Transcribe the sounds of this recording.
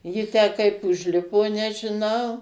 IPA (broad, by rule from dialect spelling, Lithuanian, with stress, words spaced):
ˈjɪ tʲæː kɐɪp ʊʒʲˈlʲɪpoː nʲɛʒʲɪˈnɐʊ